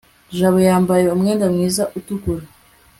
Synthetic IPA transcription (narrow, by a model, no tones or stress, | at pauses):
ʒaβojaːmbaje̞umŋeːndamŋiːzaʔutukuɾa